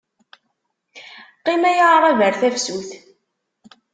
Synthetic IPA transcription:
qːimæjaɾɾˤævəɾθæfsuθ

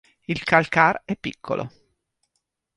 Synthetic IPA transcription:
ilkalkarɛpːikːo̰lʔo̰

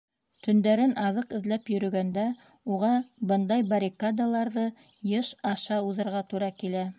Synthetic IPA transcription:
t̪ɵ̆nd̪æɾɘnɑðɤqɘ̆ðlæpjɵ̆ɾɵ̆ɡænd̪æ | uʁɑbɤnd̪ɑjbɐɾʲikad̪alˠɑɾðɤ | jɤʃɑʃɑuðɤ̆ɾʁɑt̪uɾɑkilæ

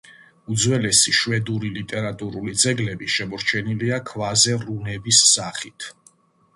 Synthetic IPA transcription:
ud̪zwɛlɛsiʃwɛd̪uɾilit̪ʼɛɾat̪ʼuɾulid̪zɛɡlɛbiʃɛmɔɾt͡ʃʰɛniliakʰvazɛɾunɛbisːaχit̪ʰ

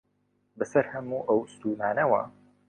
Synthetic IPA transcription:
bɐsɐɾhɐmuːʔɐwst̪uːnaːnɐwɐ̰

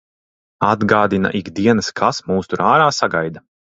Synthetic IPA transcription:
ad̪ɡaːd̪ina̰ʔiɡd̪iɛnɐskʰasmuːst̪uɾaːɾaːsaɡajd̪a

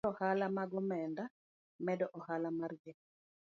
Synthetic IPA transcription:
ɔhalamaɡɔmɛnda | mɛdɔʔɔhalamarɡɛ

